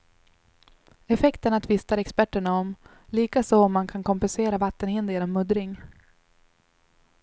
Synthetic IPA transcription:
ɛfɛkt̪əɳat̪ʰvɪst̪aɾɛkspæʈːəɳaɔm | liːkasɔɔmːankʰankʰɔmpɛnseːɾavat̪ːənhɪnd̪ɛɾɔmːɵd̪ɾɪŋ

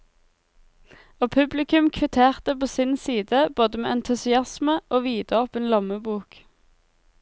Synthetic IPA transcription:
oːpʰʉblɪkʉmkʰʋɪt̪ʰeːʁt̪əpoːsɪnsiːd̪əboːd̪əmḛːʔɛnt̪ʰʉsɪɑsməʔoːʋiːd̪əɔpənlɑməbuːk

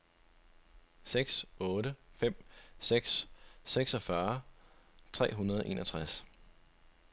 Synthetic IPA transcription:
seɡ̥sɔ̽ːɾəfem̰seɡ̥sseɡ̥sɒfɶɐ | t͡sʰʁɛ̰ːɦunɐðˠɒʔe̝̰ːnʔɒt͡sʰʁas

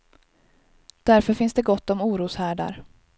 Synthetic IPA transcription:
d̪̥æɾfœɾfɪnsd̪ɛɡɔt̪ːɔmuːɾuːshæːɖa̰ɾ

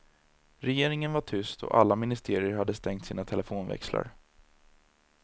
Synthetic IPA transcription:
ɾɛjeːɾɪŋənvaʈʰʏst̪ʰɔ̰ʔa̰lːamɪnɪst̪ʰeːɾɪəɾɦad̪ːəst̪ɛŋt̪siːnat̪ʰɛlɛfoːnvɛ̰ksla̰ɾ

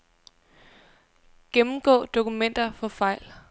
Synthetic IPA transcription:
ɡ̥emm̩ɡ̥ɔ̰̽ːd̥o̝kumen̰d̥ɐfɒ̽fɑ̈ɪ̰l

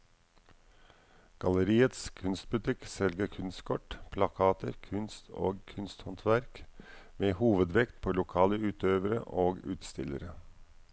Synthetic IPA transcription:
ɡ̥ɑləɾiːət̪skʰʉnst̪̚bʉt̪ʰɪksɛlɡəɾkʰʉnst̪kʰɔʈpʰlɑkʰɑːt̪əɾkʰʉnst̪ʰo̰ːɡkʰʉnst̪hɑnt̪ʰʋæɾkmeːhuːʋəd̪ʋɛkt̪̚pʰoːlʊkʰɑːləʉːt̪ʰøːʋəɾə̰ʔoːɡʉ̰ːt̪st̪ɪ̰lə̰ɾə

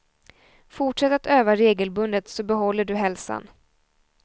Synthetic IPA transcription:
fʊʈʂɛt̪ːat̪øːvaɾeːɡəlbɵnd̪ət̪sɔbɛɦɔlːəɖɵɦɛlsa̰n

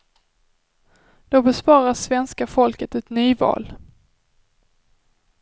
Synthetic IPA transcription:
d̪̥obɛspɑːɾasvɛnskafɔlkət̪ɛt̪nyːvɑ̰ːl

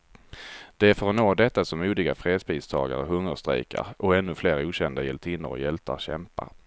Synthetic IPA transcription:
d̪̥ɛæɾfœɾɔnoːd̪ɛt̪ːasɔmːuːd̪ɪɡafɾeːd̪spʰiːst̪ʰɑ̰ːɡa̰ɾəɦɵŋːəɾʂt̪ɾɛ̰jka̰ɾɔɛnːɵfleːɾuːɕɛnd̪ajɛlt̪ʰɪnːəɾɔ̰jɛlt̪ʰa̰ɾɕɛmpa̰

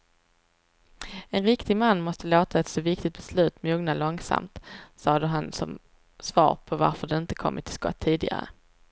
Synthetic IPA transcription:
ɛnɾɪkt̪ɪɡmanːmɔst̪əloːt̪ʰaɛt̪sɔvɪk̚t̪ɪk̚t̪̚b̥ɛslʉ̟ːt̪muːɡnalɔŋsa̰mt̪sɑːd̪əɦansɔ̰m | svɑ̰ːɾpʰɔva̰ɾfœɖɛɪnt̪ə̥kʰɔ̰mːəʈ̪ʰɪlskɔ̰t̪ʰːiːd̪ɪɡa̰ɾə̰

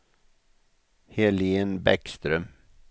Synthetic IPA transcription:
heliːənbɛkst̪ɾœm

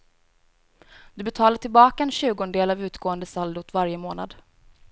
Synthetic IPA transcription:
d̪̥ɵbɛt̪ʰɑːlaʈʰɪlbɑːkaɛnɕʉ̟ːɡɔnd̪eːlavʉ̟ːt̪ɡoːənd̪əsald̪ʊt̪vaɾjəmoːna̰d̪

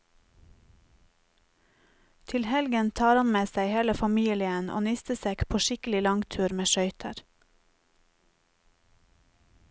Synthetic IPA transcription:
t̪ʰɪlhɛlɡənt̪ʰɑːɾɑnmeːsæɪheːləfɑmiːlɪənʔo̰ːnɪst̪əseːkpʰoːʃɪkəlɪlɑŋt̪ʰʉːɾmeːʃœʏt̪ʰə̰ɾ

